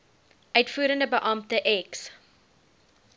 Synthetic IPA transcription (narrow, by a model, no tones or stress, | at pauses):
ʔœɥtfuːɾəndəbəʔɑmtəʔɛks